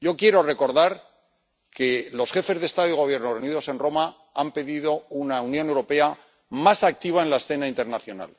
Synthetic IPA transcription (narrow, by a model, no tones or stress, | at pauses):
ɟ͡ʝo̞kjeɾo̞re̞ko̞ɾðaɾ | ke̞lo̞sχe̞fe̞zðest̪aðoiɣ̞o̞βje̞ɾnoreuniðo̞se̞nro̞ma | ampe̞ðiðo̞unaunjo̞ne̞wɾo̞pe̞a | masak̚t̪iβ̞ae̞nlaesθe̞naint̪e̞ɾnaθjo̞na̰l